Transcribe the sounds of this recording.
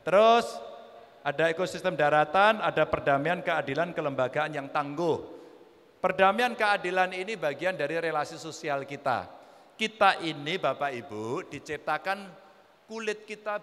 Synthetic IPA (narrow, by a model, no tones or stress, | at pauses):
t̪əɾʊs | ʔadaekosist̪əmdaɾat̪anadapərdamiankəadilankələmbaɡaanjaŋt̪aŋɡʊh | pərdamiankəadilaninibaɡiandaɾiɾelasisosialkit̪a̰ | kit̪aʔinibapaibud̥it͡ʃip̚t̪akan | kulɪt̪̚kit̪a